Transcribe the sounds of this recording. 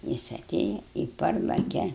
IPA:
ˈjɪs ɐˈtʲeːjɛ ɪ ˈpɐrlˠɐkʲɛ

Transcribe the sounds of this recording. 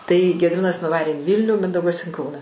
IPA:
tɐɪ ɡʲɛdʲɪˈmʲɪnɐs nʊˈʋɑːrʲeː ɪn ˈʋʲiːlʲnʲuː ˈmʲɪndɐʊɡɐs ɪn ˈkɐʊnɑː

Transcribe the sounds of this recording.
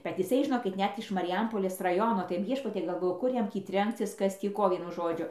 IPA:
bʲɛt jɪˈsɐɪ ʒʲɪˈnoːkʲɪt ˈnʲɛt ɪʃ mɐrʲɪˈjɛmpoːlʲeːs rɐˈjoːnoː tɐɪ ˈʋʲiɛʃpɐtʲiɛ ɡɐlˠˈʋoːjʊ kʊr ˈjɛm tʲiː ˈtʲrʲɛŋkt͡sʲɪs ˈkɐs ˈtʲiː ˈkoː ˈʋʲiɛnʊ ˈʒoːd͡ʒʲʊ

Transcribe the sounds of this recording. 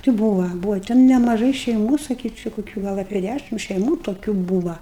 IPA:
tʲɪ ˈbuːʋɐ ˈbuːʋɐ tʲɛn nʲɛmɐˈʒɐɪ ʃʲɛɪˈmuː sɐˈkʲiːt͡ʃʲʊ kʊˈkʲuː ˈɡɐlˠ ɐpʲiɛ ˈdʲæʃʲɪm ʃʲɛɪˈmuː toːˈkʲuː ˈbuːʋɐ

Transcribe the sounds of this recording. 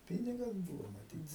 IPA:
ˈpʲiːnʲɪɡɐs ˈbuːʋoː mɐˈtʲiːt

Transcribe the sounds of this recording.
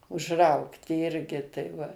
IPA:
ʊʒˈrɐʊktʲɪ ˈɪrʲɡʲɪ tɐɪ ˈʋɐ

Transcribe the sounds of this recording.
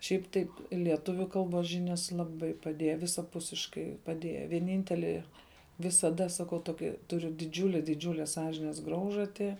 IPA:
ʃʲɛɪp ˈtɐɪp lʲiɛˈtʊʋʲʊ ˈkɐlˠboːs ˈʒʲɪnʲɛs lˠɐˈbɐɪ pɐˈdʲiɛjɛ ʋʲɪsɐˈpʊsʲɪʃkɐɪ pɐˈdʲiɛjɛ ʋʲiɛˈnʲiːnʲtʲɛlʲɪ ʋʲɪsɐˈdɐ sɐˈkɐʊ ˈtoːkʲɪ tʊˈrʲʊ dʲɪˈd͡ʒʲʊlʲɛ dʲɪˈd͡ʒʲuːlʲɛ ˈsɑːʒʲɪnʲɛs ˈɡrɐʊʒɐtʲɪ

